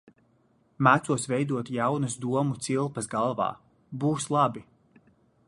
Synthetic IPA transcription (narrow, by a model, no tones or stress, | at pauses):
mæt̪suɔsvɛjd̪uɔt̪jawnɐsd̪uɔmut̪silˠpɐsɡalˠvɑ̰ː | buːslˠabi